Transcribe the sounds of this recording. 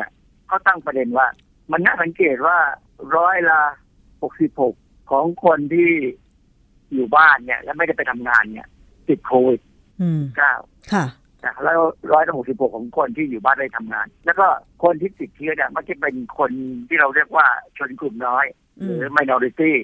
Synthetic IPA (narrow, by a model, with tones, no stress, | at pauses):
n˥˩ | kʰɔː˥˩wt̪a˥˩ŋpɾa˧de˧nwaː˥˩ | ma˧nːa˦˥˩ʔsa˨˦ŋkeː˨˩t̪̚waː˥˩ | ɾɔː˦˥jla˧ | ho˨˩k̚si˨˩p̚ho˨˩k̚ʰːɔː˩˦ŋkʰo˧nt̪ʰiː˥˩ | juː˨˩baː˥˩nːi˦˥˩ɐlɛː˦˥ma˥˩jda˥˩jpa˧jt̪ʰa˧mŋaː˧nːi˦˥˩ɐ | t̪i˨˩t̪̚kʰoː˧wi˨˩t̪̚ | i˨˩p̚kaː˥˩w | kʰa˥˩ | t͡ɕa˨˩lɔː˦˥ɾɔː˦˥jla˧ho˨˩k̚si˨˩p̚ho˨˩kʰːɔː˩˦ŋkʰo˧nt̪ʰiː˥˩juː˨˩baː˥˩nma˦˩a˧˩t̪ʰa˧mŋa̰ː˧nlɛː˦˥wkɔː˥˩kʰo˧nt̪ʰiː˥˩t̪i˨˩t̪ʰːɯ˦˥ni˦˥˩ma˧˥˩k̚t͡ɕa˧˩pe˧nkʰo˧nt̪ʰiː˥˩ɾa˧wɾi˥˩ək̚waː˥˩t͡ɕʰo˧nklu˨˩mnɔː˦˥j | ɾɯː˩˦ma˧jnɔː˧ɾi˧˥t̪iː˥˩